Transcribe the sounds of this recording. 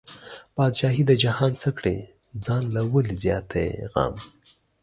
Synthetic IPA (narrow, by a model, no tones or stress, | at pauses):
b̥ɑːd̪ʃɑːɦid̪əd͡ʒahɑːnt͡sʰəkɽḛ | d͡zɑːnlawəlizjɑt̪ʰḛɣɑ̰m